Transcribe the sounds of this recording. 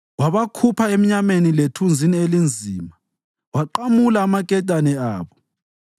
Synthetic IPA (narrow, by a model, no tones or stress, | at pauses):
waβakʰupʰaemiɲameniletʰund͡zʱinielind͡zʱiːma | waǃamulaːmakʼɛtʼanɛaːβɔ